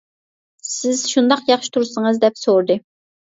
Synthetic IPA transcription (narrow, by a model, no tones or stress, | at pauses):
sɪz̥ʃund̪ɑqjɑχʃi̥t̪ʰuɾsəŋɨzd̪ɛpsoɾd̪ɨ